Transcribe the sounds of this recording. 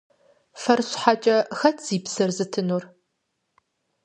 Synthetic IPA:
fɐrɕħat͡ʃʼɐxɐtʰz̥iːpsɐrzɨtʰɨnuːr

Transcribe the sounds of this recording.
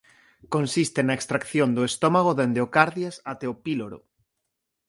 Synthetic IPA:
konsist̪enaekst̪ɾakθjond̪oest̪omaɣ̞oðend̪eokaɾðjasat̪eopiloɾo̰

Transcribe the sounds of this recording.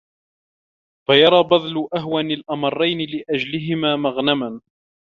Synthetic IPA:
fajɑɾˤɑːbɑðˤlʊʔaɦwanɪlʔɑmɑrˤːɑjnɪlɪʔad͡ʒlɪɦɪmaːmaɣnaman

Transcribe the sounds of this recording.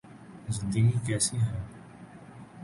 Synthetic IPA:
zəd̪iːmiːkɛːsiɦɛː

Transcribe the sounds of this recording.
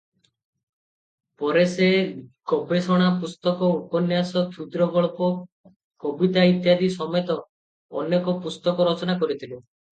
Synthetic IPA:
pɔɾesekɔbesɔɽ̃apust̪ɔkɔupɔnjasɔt̪ʰud̪ɾɔɡɔɭpɔ | kɔbit̪ait̪jad̪isɔmet̪ɔ̰ː | njɔkɔpust̪ɔkɔɾɔt͡ʃɔnakɔɾit̪ʰilu

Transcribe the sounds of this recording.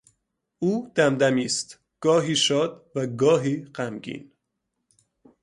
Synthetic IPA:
ʔuːd̪̥æmd̪æmiːst̪ | ɡ̥ɒːɦiːʃɒːd̪væɡɒːɦiːɢæmɟḭːn

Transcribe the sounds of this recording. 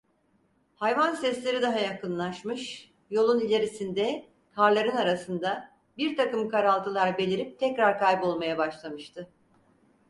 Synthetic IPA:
hajvansɛslʲe̞ɾid̪aɦajakɯnlˠaʃmɯʃ | jo̞lˠunilʲe̞ɾisind̪ɛ | kʰaɾlˠaɾɯnaɾasɯnd̪a | biɾt̪ʰakɯmkaɾalˠt̪ʰɯlˠaɾbelʲiɾip̚t̪ʰɛcɾaɾkajbo̞lˠmajabaʃlˠamɯʃt̪ʰɯ

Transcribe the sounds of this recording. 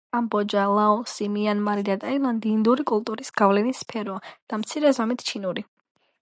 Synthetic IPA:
ambɔd͡ʒalˠaɔsimianmaɾid̪at̪ʼailˠand̪iːnd̪uɾikʼulˠt̪ʼuɾisɡ̥avlɛnispʰɛɾɔad̪̥amt̪sʰiɾɛzamit̪ʰt͡ʃʰinuɾi

